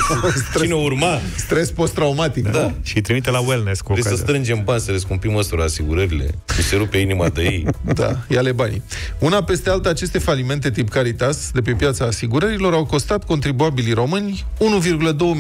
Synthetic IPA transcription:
sɾineurma | st̪ɾe̞spo̞st̪ɾaumat̪ikd̪aʃijt̪ɾimit̪elawelneskuoesəst̪ɾɨnd͡ʒe̞mbanʲsəleskumpiməsuɾaːsiɡuɾəɾile̞̰iseɾupeinimad̪əjejd̪a̰jale̞banʲ | unape̞st̪ealt̪əat͡ʃe̞st̪e̞falime̞nt̪e̞t̪ipkaɾit̪asd̪e̞p̬e̞pjat̪saːsiɡuɾəɾilo̞ɾawko̞st̪at̪ko̞nt̪ɾibuabiliro̞mɨnʲ | unuvirɡuləd̪o̞wə

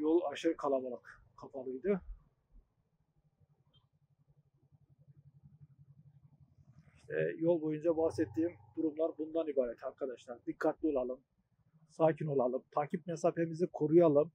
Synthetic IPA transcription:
jolˠaʃɯɾɯkʰalˠabalˠɯk | kʰːafalˠɯjd̪ɯ | iʃt̪ʰɛ̰jolˠbo̞jund͡ʒabahsɛt̪ʰːiːmd̪̥uɾumlˠaɾbund̪anibaːɾɛt̪aɾkʰad̪aʃlˠaɾd̪ikʰːat̪lʲio̞lˠalˠɯm | saːcʰino̞lˠalˠɯmt̪ʰaːcʰip̚mesaːpemizikʰo̞ɾujalˠɯm

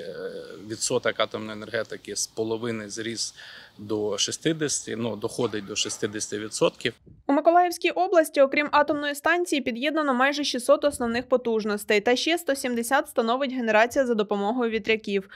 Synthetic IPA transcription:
ʋʲit̪sɔt̪ɐkɑt̪ɔmnɔjenerɦɛt̪ɪkɪspɔlˠɔʋɪnɪzɾʲiz̥d̪ɔʃist̪ɪd̪esʲt̪ɪnud̪ɔxɔd̪ɪt̚ʲd̪ɔʃist̪ɪd̪esʲt̪ɪʋʲit̪sɔt̪kʲiwumekɔlˠɑjɛwsʲkʲijʔɔblˠɐsʲtʲiɔkɾʲimʔɑt̪ɔmnɔjist̪ɑnʲt͡sʲijipʲid̪jɛd̪nɐnɔmɑjʒɛʃisːɔt̪ɔsnɔwnɪxpɔt̪uʒnɔst̪ɛjt̪ɐʃt͡ʃɛst̪ɔsʲimd̪esʲat̪st̪ɐnɔʋɪtʲɦe̞ne̞ɾɑt͡sʲijɐzɐd̪ɔpɔmɔɦɔjʊʋʲid̪ɾʲɐkʲiw

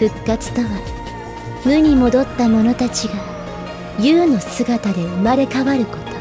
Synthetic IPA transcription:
ɸɯ̟kːat͡sɨ̥t̪o̞βa | mɯ̟ɲ̟imo̞d̪o̞t̪ːamo̞no̞t̪at͡ɕiɡa | jɯːno̞sɨɡat̪ad̪e̞ɯmaɾe̞kaβaɾɯ̟ko̞t̪o

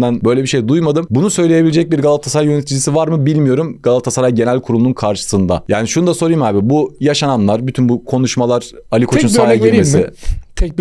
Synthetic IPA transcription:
d̪ænbø̞jlʲebiʃejd̪ujmad̪ɯmbunusø̞jlʲe̞jebilʲed͡ʒɛc̚biɾɡalˠaft̪ʰasaɾajønet̪ʰid͡ʒʲisivaɾmɯbilʲmijo̞ɾumɡ̥alˠat̪ʰasaɾajɟe̞nælʲkʰuɾulˠununkʰaɾʃɯ̥sɯnd̪a̰jaːniʃunud̪aso̞ɾujmaːbibujaʃanamlˠaɾbyt̪ʰynbukʰo̞nuʃmalˠaɾ̥alʲikʰounaajimesɪt̪ʰɛ

